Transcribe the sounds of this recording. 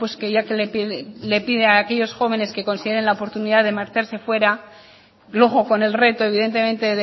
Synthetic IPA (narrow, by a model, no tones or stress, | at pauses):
pwe̞ske̞ʝakeleple̞piðeaːkeʝo̞sxo̞β̞e̞ne̞ske̞ko̞nsið̞e̞ɾe̞nlaopo̞ɾt̪uniðaðe̞maɾt͡ʃaɾse̞fwe̞ɾa | lwo̞ɣo̞ko̞ne̞lre̞t̪o̞e̞β̞iðe̞nt̪e̞mẽ̞nt̪e̞ð